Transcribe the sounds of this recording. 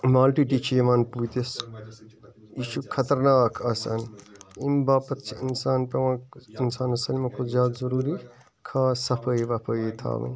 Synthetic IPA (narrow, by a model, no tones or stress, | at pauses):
maːlʈiʈit͡ʃʰimɐnput̪is | iːʃukʰɐt̪ɐɾnaːkʰɐsɐ̰nimbaːpɐt̪t͡ʃʰiinsaːnpɐwãːinsaːnɐsɐlmɐkʰozaːd̪zɐɾuːɾi | kʰaːsɐpʰəjʋɐpʰəjt̪ʰa̰ːmɐ̰